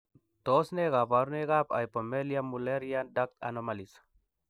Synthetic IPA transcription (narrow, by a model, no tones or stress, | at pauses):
t̪osneɣapaɾneɣapa̰jpomelijamuleɾiandak̚t̪a̰nomalis